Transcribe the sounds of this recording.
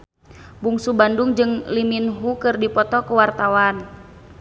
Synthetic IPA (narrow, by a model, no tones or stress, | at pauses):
buŋsubanduŋd͡ʒɨŋliminɦukɨrdipɔt̪ɔkəwart̪awan